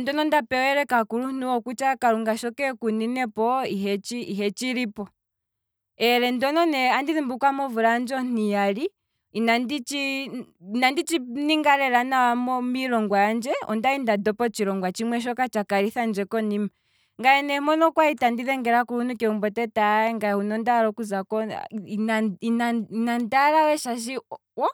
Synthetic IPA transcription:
ndɔnɔndapɛɔɛɾɛkakuɾunuɔkut͡ʃakaɾuŋɡaʃɔkɛkuninɛpɔiɦɛt͡ʃiiɦɛt͡ʃiɾipɔ | ɛɾɛndɔnɔnɛandiðimbukwamɔvuɾand͡ʒɔnijali | inandit͡ʃi | nandit͡ʃiniŋɡaɾɛɾanawamɔmiɾɔŋɡwajand͡ʒɛɔ̰ndaindadɔpɔt͡ʃiɾɔŋɡwat͡ʃimwɛʃ̬ɔkat͡ʃakaɾiθand͡ʒɛkɔnima | ŋɡajɛnɛmɔnɔkwaitandiðɛŋɡɛɾakuɾunukɛumbɔtɛtaɛŋɡahunɔndaɾɔkuzakɔ | ainnandaɾawɛʃaʃ̬i | wɔ

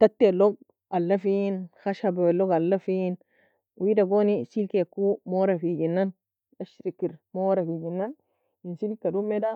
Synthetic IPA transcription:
t̪atːeloɡ̚ | alːafinxaʃabaweloɡalːafin | widaɡonisilkekːumoɾafiɡinːan | aʃɾikːiɾmoɾafiɡinːan | insilkadumeda

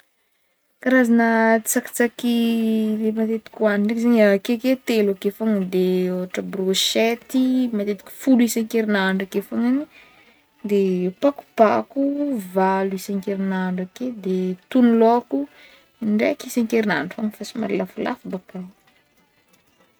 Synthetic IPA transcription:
kaɾazanət͡saki̥t͡sakilemat̪et̪i̥kʲuaniɳɖ͡ʐekzaɲakeket̪elakefaŋəd̪eoaʈ͡ʂəbroʃet̪imat̪et̪i̥kʲu̥fuluisãŋkeɾinaɳɖ͡ʐakefaŋani | d̪epaku̥pakuvalisaŋkeɾinaɳɖ͡ʐaked̪et̪uniloku | ɳɖ͡ʐekisaŋkeɾina̰ɖ͡ʐufaŋəfasima̰ɾilafula̰fbaka

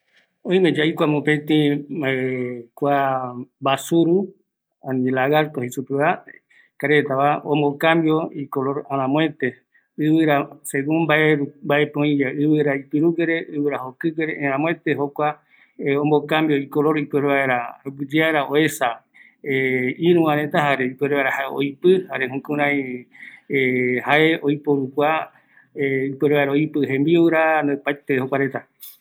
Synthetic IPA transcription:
õĩmẽd͡ʒaikʷamõpẽt̪ĩekʷabasuɾu | ãnilaɣaɾt̪ohisupɨβa | kaɾet̪aβaõmbokãmbjo̞ikoloɾaɾ̃ãmõẽt̪e | ɨβɨɾaseɣumbaeɾumbaepõĩjaɨβɨɾaipɨɾuɡeɾeɨβɨɾaɦokɨɡeɾeʔeɾ̃ãmõet̪eɦokʷa | õmbokambiojkoɾoɾipʷeɾeβaeɾaɡɨd͡ʒeaɾaoesa | eiɾũãɾẽt̪aɦaɾeipeɾeβaeɾahaeo̰jpɨhaɾeɦũkũɾ̃ãj | hae̞ojpoɾukʷa | ipeɾeβaeɾaoipɨɦẽmbiuwɾand̪epajt̪ehokʷaɾet̪a

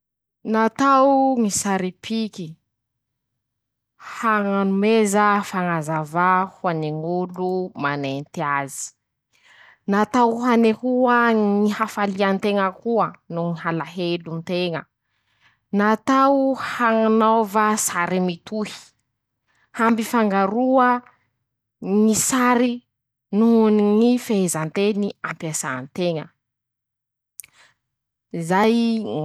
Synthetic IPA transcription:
nat̪awŋisaɾipʰiki | haŋanumezafaŋazavahuaneŋulumanent̪iazi̥ | nat̪awɦanehuaŋihafaliant̪eŋəkuənuŋiɦalaɦelunt̪eŋə̰ | nat̪awhaŋanawvasaɾimit̪uhi̥ | hambifaŋɡaɾuə | nisaɾi | nuɦuniŋifeezant̪eniampjasaːnt̪eŋə | zaj

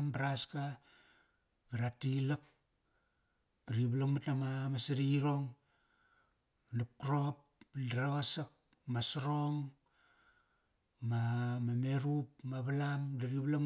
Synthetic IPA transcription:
mbɾaska | biɾatilak̚ | diɾiβlamatamamasiɾiɾoŋ | nap̚kɾop̚ | dɾaɣasak̚ | masaɾoŋ | mamame̞ɾupmaβalamdiɾiβla

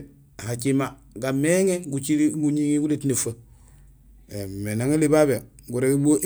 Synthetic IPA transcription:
hat͡ʃima | ɡameŋeɡut͡ʃiɾiɡuɲiŋiɡuletnefa | emenaŋelibabe | ɡuɾeɡeboʔ

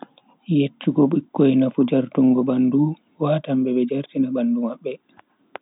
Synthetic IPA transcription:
jetːiɡɔɓikːɔjnafud͡ʒaɾtuŋɡɔbandu | waːtambɛɓɛd͡ʒaɾtinabandumaɓːɛ

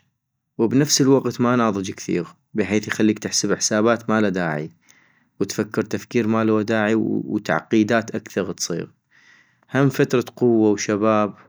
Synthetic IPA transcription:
wbnafsəlwaqt̪manɑːðˤɨd͡ʒkθḭːɣ | bɪħeːθjxalːiːkt̪ɪħsɪbɪħsaːbaːt̪maːlad̪aːʕḭ | wət̪fakːɪɾt̪afkiːɾmaːlwad̪aːʕiwt̪a̰ʕqiːd̪aːt̪ʔakθɑɣt̪sˤḭːɣ | hamːfat̪ɾˤɑqʊwːawʃabaːb̚

